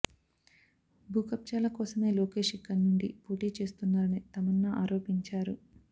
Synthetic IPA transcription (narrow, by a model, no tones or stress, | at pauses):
bʱuːkɐp̚t͡ʃaːlɐkɔːsɐme̞ːloːke̞ːʂikːɐnːuɳɖḭpoːʈiːt͡ʃe̞ːst̪unːaːɾɐnit̪ɐmɐnːaʔaːɾoːpiɲt͡ʃaːɾu